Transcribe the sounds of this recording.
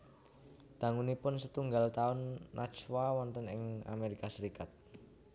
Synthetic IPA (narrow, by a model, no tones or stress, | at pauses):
d̪̥a̤ŋunipʊnsət̪uŋɡalt̪aʊnːat͡ʃwawɔnt̪ənɪ̰ŋa̰meɾikasəɾikat̪̚